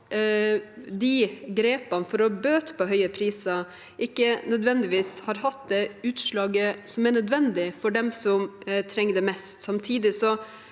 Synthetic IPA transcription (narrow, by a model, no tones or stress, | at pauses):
d̪iɡɾeːpɑnfɔɾɔbøːt̪pʰɔɦœʏəpʰɾiːsɑ | ʔɪkːənœd̪ʋɛnd̪ɪʋiːshɑɾhɑt̪̚d̪ɛʉːt̪ʂɭɑːɡəsɔmæɳœd̪ʋɛnd̪ɪfɔɖɛmsɔmt̪ʰɾɛŋːəd̪ɛmɛst̪sɑmt̪ʰiːd̪ɪsɔ